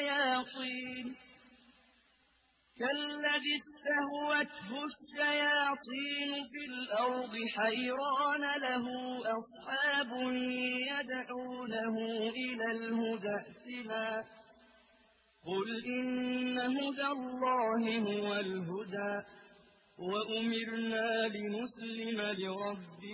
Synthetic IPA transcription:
jaːt̪ˤiːn | kalːaðɪst̪ahwat̪hʊʃːajaːt̪ˤiːnfilʔɑɾd̪ˤɨħajɾɑːnalaɦʊːʔɑsˤħɑːbʊniːjad̪ʕuːnaɦʊʔɪlaːlhʊd̪aːt̪ɪnaː | qʊlʔɪnːaɦʊd̪alːɑːhɪhʊwalɦʊd̪aː | waʔʊmɪɾnaːlɪnʊslɪmalɪɾˤɑbːɪ

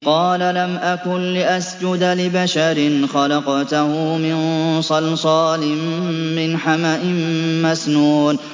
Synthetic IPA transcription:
qɑːlalamʔakʊnlɪʔasd͡ʒʊd̪lɪbaʃaɾɪnxɑlɑqt̪ʊhʊmɪnsˤɑlsˤɑːlɪmːɪnħamaʔɪmmasnuːn

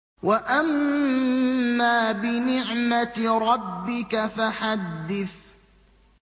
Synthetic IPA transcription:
waʔam | aːbɪnɪʕmat̪ɾˤɑbːɪkafaħad̪ːɪθ

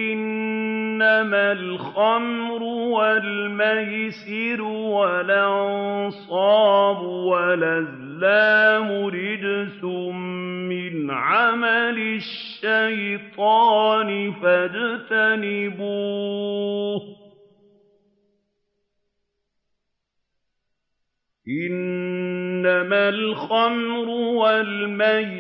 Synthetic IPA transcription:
ʔɪnː | amalxamɾʊwalmajsɪɾwalʔɑnsˤɑːbʊwalaz | laːmʊɾɪd͡ʒsʊmmɪnʕamalɪʃːajt̪ˤɑːnɪfad͡ʒt̪anɪbuː | h | ʔɪnː | amalxamɾʊwalmaj

